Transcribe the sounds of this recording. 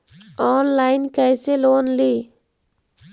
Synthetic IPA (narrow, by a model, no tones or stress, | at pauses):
ɔːnlaːɪnkəjseːloːnliː